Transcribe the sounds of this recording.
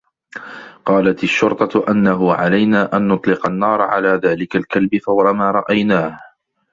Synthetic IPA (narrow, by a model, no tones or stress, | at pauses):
qɑːlat̪aʃːʊɾt̪ˤɑt̪ʔanːaɦʊʕa̰lajnaːʔanːʊt̪ˤlɪqɑnːɑːɾˤɑʕalaːðaːlɪkalkalbɪfawɾˤɑmaːɾˤɑʔajnaːh